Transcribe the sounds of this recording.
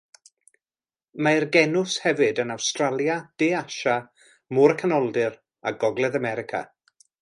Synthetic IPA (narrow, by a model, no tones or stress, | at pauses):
maɪrɡɛnʊshɛvɨdənawstralˠjad̥eːaʃa | mʊɾəkʰanɔlˠdɪr | aɡɔɡlˠɛðamɛɾɪkʰa̰